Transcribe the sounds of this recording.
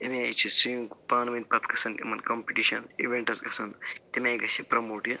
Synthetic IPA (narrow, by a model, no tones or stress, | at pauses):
ɐmiajt͡ʃʰisijũŋkpaːnʋinʲpɐt̪kɐsɐnimɐnkompiʈiʃɐniʋeɳʈɐsɡɐsɐnd̪t̪imʲɐjɡɐsʲipɾɐmoːʈjɐ